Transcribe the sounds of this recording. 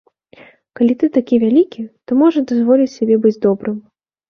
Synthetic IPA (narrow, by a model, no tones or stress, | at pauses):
kalʲit̪ɨt̪akʲivʲalʲikʲit̪ɔmɔʐɐd̪azvɔlʲit͡sʲsʲabʲɛbɨd͡zʲd̪ɔbɾɨm